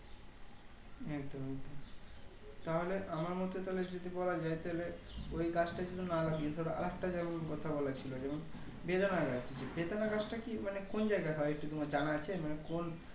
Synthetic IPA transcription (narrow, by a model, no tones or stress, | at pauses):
et̪oet̪o | t̪aɦoleʔamaɾmɔt̪ot̪aɦoled͡ʑod̪ibɔlad͡ʑajt̪aɦoleojɡat͡ɕʈad͡ʑud̪ʱinalaɡiet̪ʰaɦoɾea̰lak̚ʈad͡ʑɛmonkɔt̪ʰabɔlat͡ɕʰilod͡ʑɛmon | bed̪onaɡat͡ɕt͡ʃʰed͡ʑebed̪anaɡat͡ɕʈakimanekond͡ʑaeɡajɦɔeek̚ʈut̪omad͡ʑanat͡ɕʰemanekon